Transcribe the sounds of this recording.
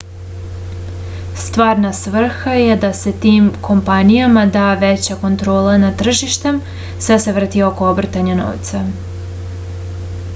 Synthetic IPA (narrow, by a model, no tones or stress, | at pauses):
st̪ʋaːɾnasʋr̩xaje̞d̪ase̞t̪iːmko̞mpanijamad̪aːʋet͡ɕako̞nt̪ɾo̞ːlanat̪r̩ʒiʃt̪e̞m | sʋeseʋrt̪io̞ko̞obr̩t̪aɲano̰ʋt̪sa